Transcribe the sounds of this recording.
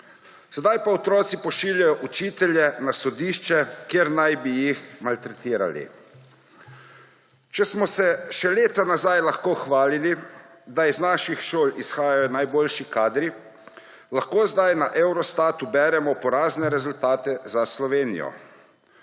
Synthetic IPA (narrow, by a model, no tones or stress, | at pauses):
sɛd̪ajpaɔt̪ɾɔːt̪sipɔʃiːljajɔʔut͡ʃiːt̪ɛljɛnasɔd̪iːʃt͡ʃɛkjeːɾnajbijixmalt̪ɾɛt̪iːɾa̰lḭ | t͡ʃɛsmɔsɛʃɛleːt̪anazajlaxkoːxʋaːlili | d̪aiznaːʃixʃoːlisxaːjajɔnajboːlʃikaːd̪ɾi | laxkoːzd̪ajnaʔɛwɾɔst̪aːt̪ubɛːɾɛmɔpɔɾaːznɛɾɛzult̪aːt̪ɛzaslɔʋeːnḭjɔ̰